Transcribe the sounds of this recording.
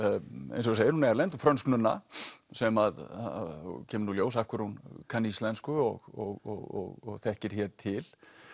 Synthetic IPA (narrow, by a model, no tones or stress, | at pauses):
ḛjns̬ɔɣseːjɪɾhunaɛɾlejnt̪ufɾœnsknʏnːa̰sɛmað | cʰɛːmʏɾnuljoːws̬afkʏɾhunkʰanislɛnskʏɔɣɔɣɔ̰ɣɔ̰ɣɔ̰ɣθɛhcɪɾ̥çɛːɾt̪ʰɪl